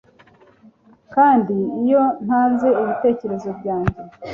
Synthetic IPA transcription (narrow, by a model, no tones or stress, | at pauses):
kaːndiːjo̞n̥haːnze̞iβite̞ːce̞ɾe̞zo̞bɟaːɲɟe̞